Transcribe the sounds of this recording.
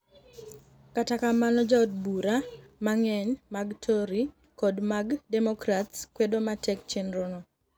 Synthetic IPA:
katakamanɔd͡ʒaɔd̚buɾamaŋɛɲmaɡtʰoɾi | kɔdmaɡdɛmɔkɾatskwedomatʰɛk̚t͡ʃenɾonɔ

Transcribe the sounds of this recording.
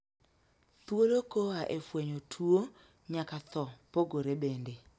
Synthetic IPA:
t̪wolokoaʔefweɲotʰuo | ɲakat̪ɔpoɡoɾebende

